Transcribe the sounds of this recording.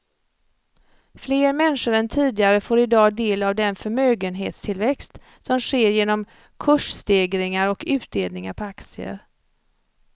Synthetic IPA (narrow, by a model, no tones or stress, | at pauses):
fleːɾmɛnʂʊɾɛnt̪ʰiːd̪ɪɡaɾəfoːɾɪd̪ɑːd̪eːlavd̪ɛnfœɾmøːɡənɦḛːt̪st̪ʰɪlvɛkst̪ | sɔmʂeːɾjeːnɔm | kʰɵʂst̪eːɡɾɪŋaɾɔkʉ̟ːt̪̚d̪eːld̪nɪŋaɾpʰɔak̪sɪə̰ɾ